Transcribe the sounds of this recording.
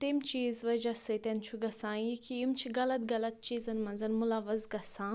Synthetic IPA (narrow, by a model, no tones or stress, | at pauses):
t̪emt͡ʃiːzʋɐd͡ʒɐsɨt̪ent͡ʃʰuɡɐsãːjikʰijimt͡ʃʰiɡɐlɐt̪ɡɐlɐt̪̚t͡ʃiːzɐnmɐnzɐnmʊlɐʋɐzɡɐsãː